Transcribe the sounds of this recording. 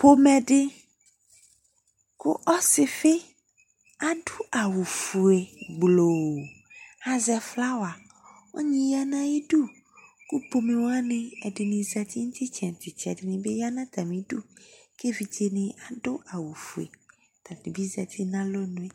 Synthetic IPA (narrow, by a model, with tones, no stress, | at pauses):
po˦mɛ̃˨ɖɪ˦ | kʊ˦ʔɔ˦sɪ˨fe˦ | a˦ɖu˦a˨wu˨fu˨e˨ɡ͡blo˨ | a˨zɛ˨fla˦wo˨a˨ | wo̰˦ɲĩ˦ja˦nã˦ji˦ɖu˦ | ku˦po˨me˨wo˦a˦nẽ˨ɛ˨ɖɪ˨nĩ˨zɛ˨t̪i˦ŋũ˦t̪i˦t͡ʃɛ̃˨t̪i˨t͡ʃɛ̰˨ɖɪ˨nĩ˨be˦ja˦nã˦t̪a˨mĩ˨ɖu˦ | ke˦vi˨d͡ʒe˦nɪ̃˨a˨ɖʊ˦ʔa˨wu˨fu˨ḛ˨ | t̪ã˨t̪ĩ˨bi˦zɛ˨t̪ʰi˦nã˦lo˦nũ˦e˨